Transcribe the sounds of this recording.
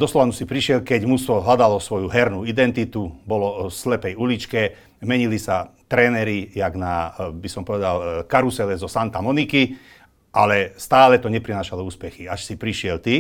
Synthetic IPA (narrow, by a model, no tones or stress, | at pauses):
d̪ɔslɔʋanusipɾiʃɪɛlkɛɟmusʋɔɦlad̪alɔsʋɔjuɦɛɾnuid̪ɛnt̪it̪ubɔlɔslɛpɛjulit͡ʃkɛ | mɛɲilisat̪ɾɛːnɛɾijaɡnabisɔmpɔʋɛd̪alkaɾusɛlɛzɔsant̪amɔniki | ʔa̰lɛst̪aːlɛt̪ɔɲɛpɾinaːʃalɔuːspɛxiaʃsipɾiʃɪɛlt̪i